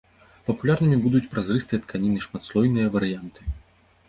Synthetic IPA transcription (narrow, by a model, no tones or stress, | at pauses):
pɐpulʲarnɨmʲibud̪ut͡sʲpɾʔazrɨst̪ɨjɐt̪kʰanʲinɨʂmat̪slˠɔjnɨjɐvɐɾɨjant̪ɨ̥